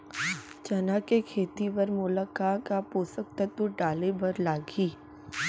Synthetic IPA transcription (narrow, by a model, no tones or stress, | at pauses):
t͡ʃɐnakekʰeːt̪ipɐɾmʊlakakapuːsək̚t̪ɐt̪uɖaːlebɐɾlaːɡiː